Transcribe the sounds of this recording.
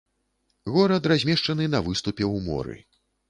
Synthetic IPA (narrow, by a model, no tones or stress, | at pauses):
ɣɔɾɐt̪razʲmʲɛʂt͡ʂɐnɨnɐvɨst̪upʲɛwmɔ̰ɾɨ̰